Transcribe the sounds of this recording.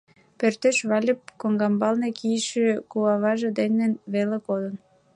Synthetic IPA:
pørt̪eʃβɑlʲəp̚koŋɡɑmbɑlnekijəʃøkuɑβɑʒĕd̪enenβelekod̪ən

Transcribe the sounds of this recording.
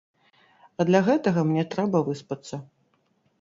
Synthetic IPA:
ɐd̪lʲɐɣɛt̪ɐɣɐmnʲɛt̪ɾɛbɐvɨspɐt̪sːɐ

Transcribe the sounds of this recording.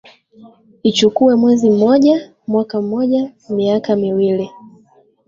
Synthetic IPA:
it͡ʃukuɛmwɛzim̩mɔʄa | mwakam̩mɔʄamiakamiwili

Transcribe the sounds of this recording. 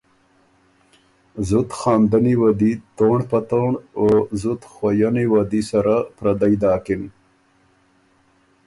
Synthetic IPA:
zʊt̪xɑːmd̪aniwad̪it̪oɳpat̪oɳozʊt̪xwajaniwad̪isaɾapɾad̪ajd̪ɑːkɪn

